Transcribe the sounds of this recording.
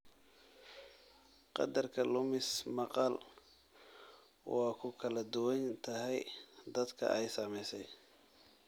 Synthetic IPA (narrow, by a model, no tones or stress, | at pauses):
qɑ̰d̪ɐrkʰɐlʊmɪsmɑqɑl | wɑːkʰʊkʰɐlɐd̪ʊwɐnt̪ʰɐɦɛjd̪ɐd̪kʰɐ̰ʔɛjsɐmɛjsɛj